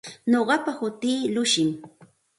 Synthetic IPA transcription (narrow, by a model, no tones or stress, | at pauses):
ɲoɢɑpahʊt̪iːlʊʃɪm